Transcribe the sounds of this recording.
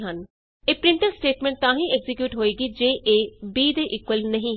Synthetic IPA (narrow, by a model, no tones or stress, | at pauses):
ɦən | eːpɾɪ̃ɳʈəɾsʈeːʈmẽːɳʈ̚t̪ãːɦĩːɛɡzɪkjuːʈɦoːeːɡiːd͡ʒeːʔeːbiːd̪eːʔɪkwəlnəɦĩː